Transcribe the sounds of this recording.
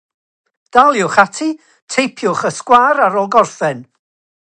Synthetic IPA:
d̥alˠjʊχatʰi | tʰejpʰjʊχəskwaɾaɾɔlˠɡɔrθɛn

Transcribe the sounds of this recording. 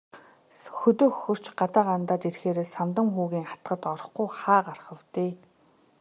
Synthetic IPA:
xɵt̪ɵːxːɵ̆r̥t͡ɕɢat̪aːɢant̪aːt̪erxeːɾeːsamt̪ə̆mxuːɣiːŋχḁt̪ɢə̆t̪ɔɾɞ̆χɡujχaːɢarχə̆wt̪eː

